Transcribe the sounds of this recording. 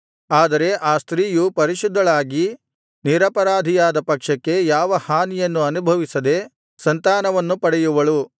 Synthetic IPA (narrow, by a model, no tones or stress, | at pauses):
aːd̪ɐɾe̞ʔaːst̪ɾiːjupɐɾiʃud̪ʱːɐɭaːɡi | niɾɐpɐɾaːd̪ʱijaːd̪ɐpɐkʂɐkːe̞jaːʋɐhaːnijɐnːuɐnubʱɐʋisɐd̪e̞ | sɐnt̪aːnɐʋɐnːupɐɽɛjuʋɐɭu